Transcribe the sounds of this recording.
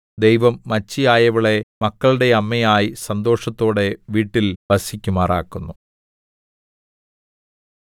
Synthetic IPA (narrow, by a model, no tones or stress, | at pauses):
d̪e̞jʋɐmːɐt͡ɕːijaːjɐʋiɭe̞mɐkːɐɭɽe̞ɐmːɐjaːjisɐnd̪o̞ːʂɐt̪ːo̞ːɽe̞ʋiːʈːilbɐsikʲːumaːra̰ːkːunːu